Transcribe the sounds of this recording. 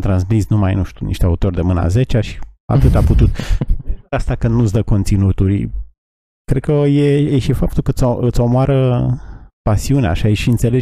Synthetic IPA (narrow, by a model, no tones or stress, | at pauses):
t̪ɾansmisnumajnuʃt̪ʲunḭʃt̪eaut̪o̞rʲd̪e̞mɨnəa̰ze̞t͡ʃeaʃi̥a̰t̪ɨt̪aput̪ut̪̚ | ast̪akɨnd̪nut̪sd̪əko̞nt̪sinut̪uɾʲ | kɾe̞d̪kəjejeʃifap̚t̪ulkət̪soɨt̪somoaɾə | pasiunea̰ʃaiʃiɨnt̪se̞le